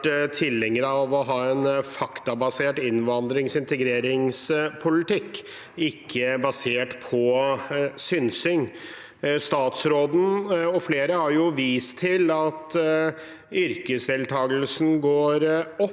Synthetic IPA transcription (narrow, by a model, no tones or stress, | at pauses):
t̪ʰɪlːɛŋːəɾɑʋɔɦɑːɛnfɑkt̪ɑbɑseːʈɪnʋɑnd̪ɾɪŋsɪnt̪əɡɾeːɾɪŋspʰʊlɪt̪ɪkː | ɪkʰːəbɑseːʈpʰɔ | sʏnsʏŋ | st̪ɑːt̪sɾoːd̪n̩ɔfleːɾəhɑɾjʊʋiːst̪ʰɪlɑt̪ | ʏɾkəsʋɛlt̪ʰɑːɡəl̩sn̩ɡoːɾɔ